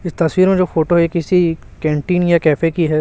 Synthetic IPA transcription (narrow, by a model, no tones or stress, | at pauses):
ɪst̪ɐswiːɾmẽd͡ʒoːfʰoːʈoɦekɪsikɛ̃ːɳʈiːnjakɛːfekiɦɛː